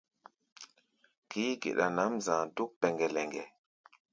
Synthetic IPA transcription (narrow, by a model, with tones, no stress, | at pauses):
kiː˦ɡḛ˨ʔɗa˨na˨˦mzãː˨du˦k̚pɛ˨ŋɡɛ˨lɛ˨ŋɡɛ˨